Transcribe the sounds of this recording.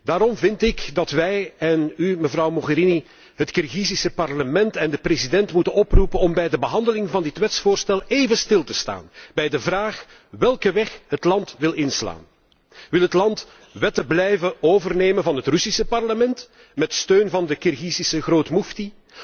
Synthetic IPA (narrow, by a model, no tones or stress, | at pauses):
daːɾɔmvɪntɪkdɑtʋɛjɛnyməvrɑwmɔɣəɾini | ɦətkɪrɣisisəpɑrləmɛntɛndəprezidɛntmutənɔprupənɔmbɛjdəbəɦɑndəlɪŋvɑndɪtʋɛtsfoːrstɛlˠeːvəstɪlˠtəsta̰ːnb̥ɛjdəvraːx | ʋɛlˠkəʋɛxɦətlɑntʋɪlˠɪnsla̰ːn | ʋɪlˠɦətlɑnt | ʋɛtəblɛjvəoːvərneːmənvɑnɦətrʏsisəpɑrləmɛnt | mɛtstøːnvɑndəkɪrɣizisəɣroːtmufti